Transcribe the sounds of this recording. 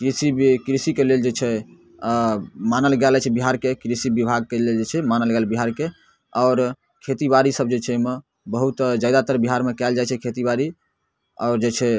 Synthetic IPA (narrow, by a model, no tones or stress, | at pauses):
kɾisibkɾisikeleld͡ʒet͡ʃʰɛ | manəlɡɛlt͡ʃʰɛbiɦaɾkekɾisibibʱaɡ̚keleld͡ʒet͡ʃʰɛmanəlɡɛlbiɦaɾke | ɔʊɾ | kʰet̪ibaɾisəb̚d͡ʒet͡ʃʰɛme | bəɦut̪d͡ʒajd̪at̪əɾbiɦaɾmekɛld͡ʒajt͡ʃʰɛkʰet̪ibaɾi | ɔ̰ʊɾd͡ʒet͡ʃʰɛ